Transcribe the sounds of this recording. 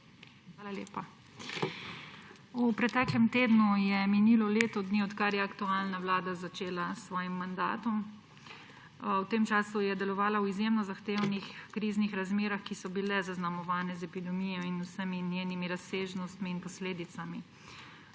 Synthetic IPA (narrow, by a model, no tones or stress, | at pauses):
xʋaːlalḛːpa | upɾɛt̪ɛːklɛmt̪eːd̪nujɛminiːlɔleːt̪ɔd̪niɔt̪kaɾjɛakt̪uaːlnaʋlaːd̪azat͡ʃeːlasʋɔːjimːand̪a̰ːt̪ɔm | wt̪emt͡ʃaːsujɛd̪ɛlɔʋaːlawizjemnɔzaxt̪eːwnixkɾiːznixɾazmeːɾaxkisɔbilɛzaznamɔʋaːnɛzɛpid̪ɛmijɔinusəminjeːnimiɾaseːʒnɔst̪miːnpɔsleːd̪it̪sami